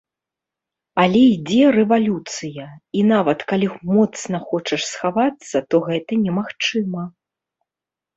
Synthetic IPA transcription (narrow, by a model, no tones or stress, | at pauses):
ɐlʲɛid͡zʲɛrɛvalʲut̪sɨjɐinavɐt̪kalʲimɔt̪snɐxɔt͡ʂɐʂsxavat̪sːɐt̪ɔɣɛt̪ɐnʲɛmaxt͡ʂɨmɐ